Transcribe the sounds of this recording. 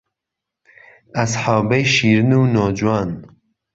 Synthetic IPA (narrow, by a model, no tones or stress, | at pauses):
ɐsħɑːbɐjʃiːɾɨnuːnoːd͡ʒuwaːn